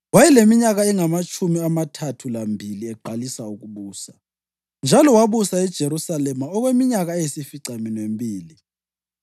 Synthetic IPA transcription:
wajɛlemiɲaɣaɛŋamat͡ʃʼumiamatʰatʰulambʱiliɛɡ͡ǃʱalisauɣuβuːsa | nd͡ʒʱalɔwaβusaɛd̥ʒ̥ʱeɾusalɛmaɔɣwemiɲaɣaɛjisifiǀaminwembʱiːli

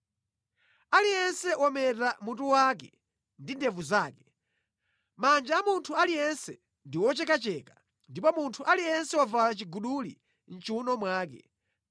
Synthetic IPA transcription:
alijɛnsɛwɔmɛtamutuwak̬ɛ | ndindɛvuzaːkɛ̥ | mand͡ʒaːmuntʰualijɛnsɛ | ndiwɔt͡ʃɛkat͡ʃɛka | ndipɔmuntʰuʔalijɛnsɛwavalat͡ʃiɡuɗulḭ | n̩t͡ʃuunɔmwaːkɛ̰

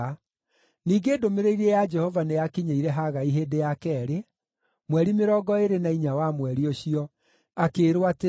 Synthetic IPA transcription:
niːɡeːdomeɾeiɾɛjad͡ʒɛhɔvanejakiɲeiɾɛɦaɣaiɦeːdejakɛːɾe | mwɛɾimeɾɔːɡɔeɾenaiɲawamwɛɾioɕiɔ | akeːɾwate

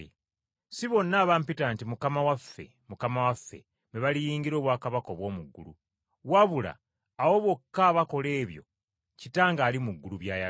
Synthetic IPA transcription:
siβo̞nːaːβampitaːntimukamawafːe̞̰ | mukamawafːe̞̰ | meβalijiːŋɡiɾo̞ːβwaːkaβako̞βwo̞ːmuɡːulṵ | waβula̰ː | wo̞βo̞kːaːβako̞le̞ːβjo̞̰ | citaːŋɡaːlimuɡːuluβjaːja

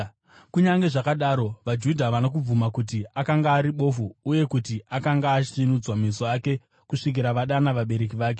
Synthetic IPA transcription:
kuɲaŋɡe̞ʐakaɗaːɾo̞ʋad͡ʒudʱaʋanak̬ub͡vumakut̬iakaŋɡaːɾiɓo̞fuuje̞kutiʔakaŋɡaːt͡ʃisinud͡zwamisoaːke̞ | kuʂik̬iɾaʋaɗanaʋaɓe̞ɾe̞k̬iʋaːk̬e̞

